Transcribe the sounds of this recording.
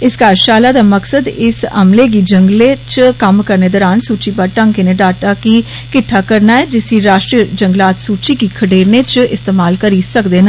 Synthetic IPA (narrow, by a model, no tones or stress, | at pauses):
ɪskaːɾʃaːlaːd̪aːməksəd̪ɪsə̰mleːɡ̬iːd͡ʒəŋɡleːt͡ʃkəmkəɾneːd̪ɔːɾaːnsuːt͡ʃiːpaʈəŋkeːneːɖaːʈaːkiː | kɪʈʰːaːkəɾnaːɛːd͡ʒɪsiɾaːʃʈɾiəd͡ʒəŋɡlaːt̪suːt͡ʃiːkiːkʰəɖeːɾneːt͡ʃɪst̪eːmaːlkəɾiːsəkd̪eːnə